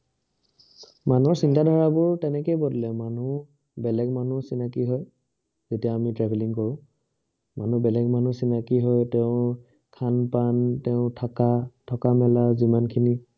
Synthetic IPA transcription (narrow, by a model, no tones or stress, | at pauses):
man̤uɔɹsintadʱɔɹabʊɹtɛnɛkejbɔdlɛmanu | bɛlɛɡmanusinakiɦɔj | zetijaamitɹɛbʱɛliŋkɔɹʊ̃ | manubɛlɛɡman̤usinakiɦɔjtɛʊ̃ | kʰanpantɛʊ̃tʰakatʰɔkamɛlazimankʰini